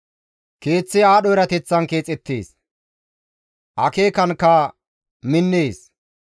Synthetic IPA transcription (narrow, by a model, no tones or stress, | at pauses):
ke̞ːt͡sːɪaːɗɔɪɾɐt̪ɛt͡sːɐnke̞ːt͡sʼːɛt̪ːḛːs | ʔɐ̰ke̞ːkɐnkːɐ | mɪnːeːs